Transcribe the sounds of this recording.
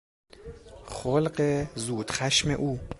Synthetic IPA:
χolɢezuːd̪̥xæʃmḛʔuː

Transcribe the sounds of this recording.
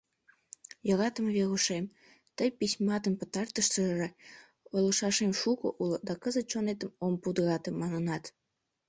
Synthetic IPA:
jəɣɑt̪əmβeɣuʃem | t̪əjpisʲmɑt̪əmpət̪ɑrt̪əʃt̪əʒe | olə̆ʃɑʃemʃuko̰ʔulod̪ɑkəzət̪̚ʃonet̪əmompud̪ɣɑt̪ə̆mːɑnənɑt̪

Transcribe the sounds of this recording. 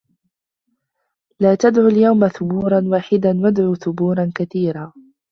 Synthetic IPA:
laːt̪ad̪ʕuːljawmaθʊbuːɾˤɑnwaːħɪd̪anwad̪ʕuːθʊbuːɾˤɑnkaθiːɾaː

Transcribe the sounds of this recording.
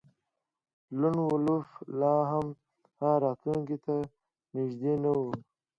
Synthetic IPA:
luɳwuluflaːɦam | hãːɾaːt̪lũŋkit̪a | niʒd̪eːnɐwu

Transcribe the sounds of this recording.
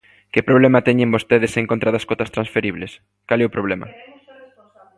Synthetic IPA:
kɪpɾoβ̞lɛmat̪ɛɲẽmbost̪eðeseŋkont̪ɾaðaskot̪ɐst̪ɾansfeɾiβles | kalɛʊpɾoβ̞lɛmɐ̰

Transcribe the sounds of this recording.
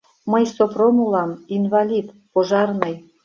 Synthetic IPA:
məjsopromulɑminvɑlʲit̪ | poʒɑrnɤ̆j

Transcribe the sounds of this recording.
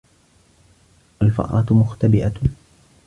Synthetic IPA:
ʔalfɑ̰ʔˤɑt̪mʊxt̪abɪʔa

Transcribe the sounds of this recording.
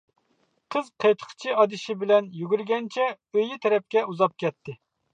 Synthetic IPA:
qʰəzqʰejt̪ʰə̥qʰt͡ʃʰiɑd̪ɪʃɪbɪlɛnjyɡʲyɾɡʲɛnt͡ʃʰɛ | øjɪt̪ʰɛɾɛp̚kʲɛuzɑp̚kʲɛt̪ʰːɪ

